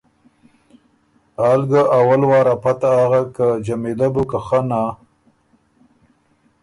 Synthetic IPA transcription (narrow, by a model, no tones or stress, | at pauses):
alɡaʔawalwɑːɾapat̪aaɣakad͡ʒamelabukaxana